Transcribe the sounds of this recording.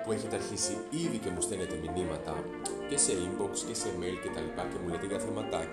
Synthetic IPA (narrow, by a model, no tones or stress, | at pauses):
pueçit̪eɐɾçisi | iðice̞must̪enet̪eminimɐt̪ɐ̰ | ce̞se̞imboksce̞se̞mejlce̞t̪ɐlipɐcemulet̪eʝɐθeɾmɐt̪ɐ